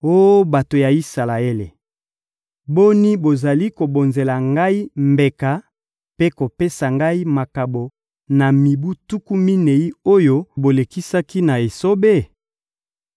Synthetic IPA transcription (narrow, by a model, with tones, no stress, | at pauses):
o˦ba˨to˨ja˨i˦sa˨la˨e˦le˨ | bo˦ni˦bo˨za˨li˦ko˨bo˨nze˨la˨ŋɡa˦i˦mbe˨ka˨ | pe˦ko˨pe˦sa˨ŋɡa˦i˦ma˨ka˨bo˨ | na˨mi˨bu˦tu˦ku˦mi˦ne˨i˦o˦jo˦bo˨le˨ki˦sa˦ki˦na˨e˨so˦be˦˨